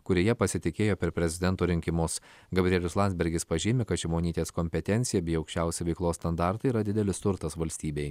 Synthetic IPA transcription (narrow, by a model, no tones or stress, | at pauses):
kʊɾʲeːjɛpɐsʲɪt̪ʲɪkʲeːjoːpʲɛɾpʲɾʲɛzʲɪd̪ʲɛnt̪uːɾʲɪŋʲkʲɪmʊs | ɡɐbʲɾʲɪeːlʲʊslˠɑnʲzʲbʲɛɾʲɡʲɪspɐʒʲɪːmʲɪkɐt̪ʒʲɪmoːnʲiːt̪ʲeːskɔmʲpʲɛt̪ʲɛnʲt̪sʲɪjɛbʲɪjɐʊkʃʲt͡ʃʲɛˑʊsʲɪʋʲɛɪklˠoːsst̪ɐnd̪ɑˑɾt̪ɐɪiɾɐd̪ʲɪd̪ʲɛlʲɪst̪ʊɾt̪ɐsʋɐlʲsʲt̪ʲiːbʲeɪ